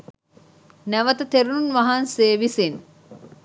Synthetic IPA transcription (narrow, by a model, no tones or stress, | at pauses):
næʋɐt̪ɐt̪eɾununʋɐɦanseːʋisin